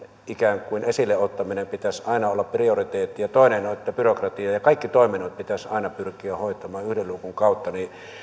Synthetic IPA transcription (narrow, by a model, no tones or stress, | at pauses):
ʔikæˑŋkˑuinesilːeot̪ːɑminempit̪æsɑˑinɑolːɑppriorit̪eːt̪ːijɑt̪oˑenenoet̪ːæpyrokrɑt̪iɑjɑkɑˑikːit̪oˑiminot̪̚pit̪æsɑ̰ˑinɑpyrkˑiæhoˑit̪ˑɑmɑːyhdelluːkuŋkɑˑut̪ːɑni